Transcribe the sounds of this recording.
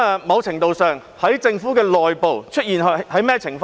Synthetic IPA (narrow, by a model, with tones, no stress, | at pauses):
mɐ˨˧wt͡sʰɪ˨˩ŋt̪o˧wsœː˨ŋ | hɐ˨˥jt͡sɪ˧ŋfuː˨˥kɛː˧lɔː˨jpo˨wt͡ʃʰɵ˥t̚jiː˨n˨hɐ˨˥jmɛː˥t͡sʰɪ˨˩ŋf